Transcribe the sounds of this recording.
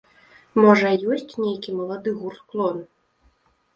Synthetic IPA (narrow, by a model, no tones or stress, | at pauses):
mɔʐɐjɔsʲt͡sʲnʲejkʲimɐlˠad̪ɨɣurt̪klˠɔn